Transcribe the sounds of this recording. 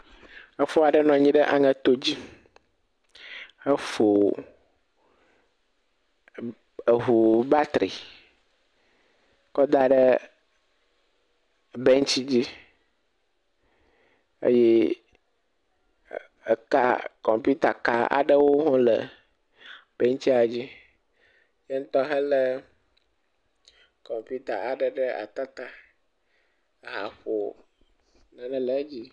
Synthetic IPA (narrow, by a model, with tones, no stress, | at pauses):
ə˦fo˦a˨ɖə˦nɔ̃˨ɲĩ˦ɖə˦ʔa˨ŋə̃˨t̪o˦d͡ʑi˦ | ə˦fo˨ | ə˨ɦu˨ba˦t̪ɾḭ˨ | kɔ˦d̪a˦ɖə˦ | bɛ˦ŋ˦t͡ɕi˦d͡ʑi˦ | ə̰˦jɛ˦˨ | ə̰˨ka̰˦kɔ˨mpu˦t̪a˨ka˨a̰˨ɖə˦wo˦ɦɔ̃˦lə̰˨ | b̥e˦ŋ˦t͡ɕi˦a˨d͡ʑi˦ | je˦ŋ̩˦t̪ɔ˦ɦə˦lə˦ | kɔ˨mpu˦t̪a˨a˨ɖə˨ɖə˦a̰˨t̪a˦t̪a˦˨ | ɦa̰˨ɸo˨ | nã˨nɛ̃˦lə˨˦d͡ʑi˦